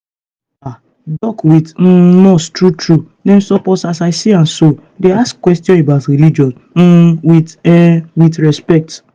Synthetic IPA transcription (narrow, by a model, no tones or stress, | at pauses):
a | dɔkwit̩nɔ̃stɹutɹu | nem̩sɔpɔsasaɪsiãnso | deaskkːwɛstjɔ̃ebaʊtɾilid͡ʒɔ̃n̩ | wi | witɹɛspɛk̚t